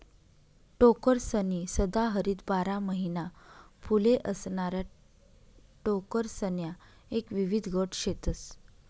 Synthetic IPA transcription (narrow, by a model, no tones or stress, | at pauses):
ʈokəɾsənisəd̪aɦəɾiːt̪baɾaməɦinapʰuleʔəsɳaɾja | ʈokəɾsənja | ekʋiʋid̪ʱɡʱəʈɕet̪əs